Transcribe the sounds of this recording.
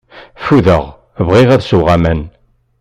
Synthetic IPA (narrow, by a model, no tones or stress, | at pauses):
fuðəʁ | vʁiʁæðsuʁamæn